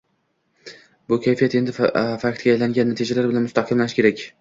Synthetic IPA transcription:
bʊkʲʰajfijat̪e̞nd̪ɪfakt̪ɡʲaːjlaŋɡʲanːat̪ʰid͡ʒalaɾbɪlanmʊst̪aqʰɪmlanɪʃkʲeɾakʲ

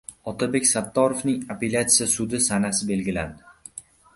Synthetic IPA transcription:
ɒt̪ʰabe̞kʲsat̪ːɒɾovnɪŋape̞lʲat̪sijasʊd̪ɪsanasɪbe̞lɡʲɪland̪ɪ

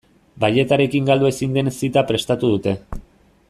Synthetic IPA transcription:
baʎe̞t̪aɾe̞kiŋɡald̪ue̞sind̪e̞nesit̪apɾe̞st̪at̪uð̞ut̪e̞

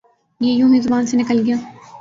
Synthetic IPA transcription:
jejũːmeːzʊbaːnsenɪkəlɡɪjaː

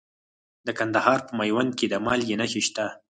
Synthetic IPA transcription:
d̪əkand̪ahɑɾpəmajwand̪̚ked̪amɑljenaxeʃt̪a

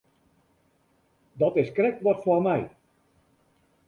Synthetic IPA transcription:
dɑtɪskrɛk̚tʋɑtfɔrmɛj

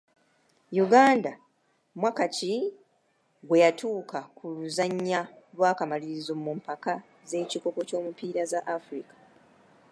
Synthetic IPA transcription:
juɡaːnda | mwakaci | ɡwe̞jatʰuːkʰakuluzaɲːa | lwaːkamaliɾizomumpaka | ze̞ːciko̞ko̞co̞ːmupiːɾazaʔafɾikḁ

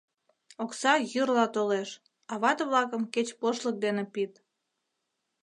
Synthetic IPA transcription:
oksɑjyrlɑt̪oleʃ | ɑβɑt̪əβlɑkəmket͡ɕpoʃlək̚d̪enepit̪

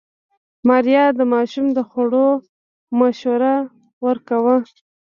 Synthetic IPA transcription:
maɾjɑd̪əmɑʃumd̪əxaɽo | maʃoɾa | wəɾkawə

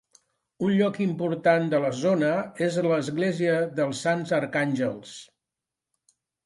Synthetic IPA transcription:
unʎɔkimpuɾt̪and̪ələzonəezləzɣleziəðəlˠsːanzəɾkanʲʒəlˠs

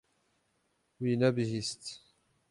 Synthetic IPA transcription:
winæbɦist̪

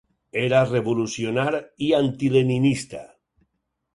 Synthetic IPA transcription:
eɾareβolusjonaɾiant̪ileninist̪a̰

